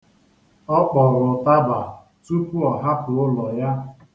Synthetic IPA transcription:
ɔ˦k͡pɔ˨ɾʊ˨ta˦ba˨ | tu˦pu˦ɔ˨ɦa˦pʊ˨ʊ˦lɔ˨ja˦

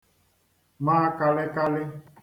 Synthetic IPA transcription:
maː˦ka˨lɪ˦ka˦lɪ˦

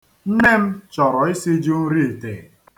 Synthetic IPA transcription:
n̩˦ne˦m̩˦t͡ʃɔ˨ɾɔ˨i˦si˦d͡ʒu˦n̩˦ɾi˦e˨te˨

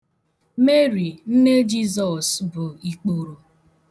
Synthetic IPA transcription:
me˦ɾi˨n̩˦ne˦d͡ʒi˦zɔ˨sbʊ˨i˨k͡po˨ɾo˨

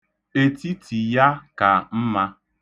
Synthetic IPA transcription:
e˨ti˦tʰi˨ja˦ka˨m̩˦ma˦

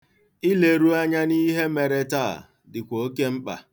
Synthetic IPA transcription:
ɪ˦le˨ɾu˦a˦ɲa˦ni˦ɦe˦me˨ɾe˦ta̰˦˨ | dɪ˨kʷo˨o˦ke˦m̩˦k͡pa̰˨

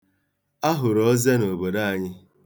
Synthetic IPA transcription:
a˦ɦʊ˨ɾɔ˦ze˦no˨bo˨da˦a˨ɲɪ˦

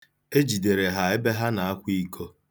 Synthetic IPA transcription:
e˦d͡ʒi˨de˨ɾe˨ɦa˨e˦be˦ɦa˦na˨a˦kʷi˦kʰo˦

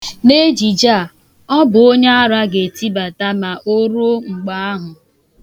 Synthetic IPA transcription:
ne˦d͡ʒi˨d͡ʒa˦˨ | ɔ˦bʊ˨o˦ɲe˦a˦ɾa˦ɡe˨ti˦ba˨ta˦ma˨ʔo˦ɾo˦ŋ͡m̩˨ɡ͡ba˦a˦ɦʊ˨

